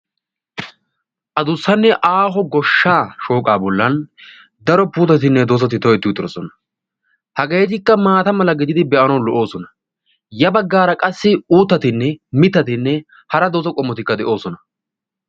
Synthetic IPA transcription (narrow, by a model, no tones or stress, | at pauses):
ʔɐd̪ʊsːɐnːɛʔaːɦɔɡɔʃːaːʃoːkʼaːbɔlːɐn | d̪ɐɾɔpuːt̪ɐt̪̬ɪnːɛd̪oːs̬ɐt̪ɪt̪ɔjɛt̪ːɪt̪ʼɪɾɔsɔnɐ̥ | hɐɡeːt̪ɪkːɐmaːt̪ɐmɐlɐɡɪd̪ɪd̪ɪbɛʔɐnɐwlɔʔo̞ːsɔnɐ | jɐbɐɡːaːɾɐkʼɐsːɪuːt̪ːɐt̪ɪnːɛmɪt̪ːɐt̪ɪnːɛ | hɐɾɐd̪oːsɔkʼɔmːɔt̪ɪkːɐd̪ɛʔo̞ːsɔnɐ